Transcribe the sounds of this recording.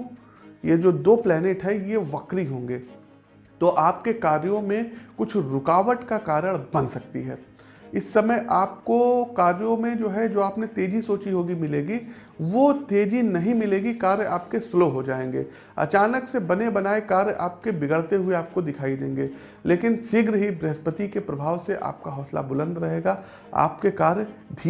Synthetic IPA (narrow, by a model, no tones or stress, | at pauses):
jed͡ʒoːd̪oːplɛːneːʈɦɛjeʋɐkɾiɦõːŋɡeː | t̪oːʔaːp̚kekaːɾjõmẽkʊt͡ʃʰɾʊkaːʋəʈkakaːɾəɽ̃bɐ̃nsɐk̚t̪ḭɦɛ̰ː | ɪsːɐməjʔaːp̚kokaːɾjõmẽd͡ʒoːɦɛd͡ʒoːaːpnẽt̪eːd͡ʒisoːt͡ʃiɦoːɡimɪleːɡi | ʋot̪eːd͡ʒinɐɦĩmɪleːɡikaːɾja̰ːp̚kesloɦod͡ʒaːẽːŋɡḛː | ɐ̰t͡ʃaːnəksebɐnebɐnaːekaːɾjʔa̰ːp̚kebɪɡəɽt̪eɦʊeaːp̚kod̪ɪkʰaːid̪ḛ̃ːŋɡeː | leːkɪnsɪɡɾɦibɾɛɦspət̪ikepɾɐbʱaːʋseʔa̰ːp̚kaɦɔːsla̰bʊlə̃nd̪ɾɐɦeːɡa | a̰ːpkekaːɾjd̪ʱiː